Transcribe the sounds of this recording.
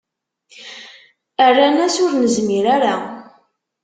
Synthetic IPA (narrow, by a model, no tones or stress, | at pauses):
ærːanæsʊɾnəzmiɾaɾa